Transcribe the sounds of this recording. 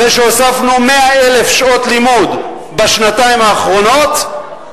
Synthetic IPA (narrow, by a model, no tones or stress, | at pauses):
veʃeosafnumeaele̞fʃo̞t̪limud̪ | baʃnat̪aimaːχʁo̞no̞t̪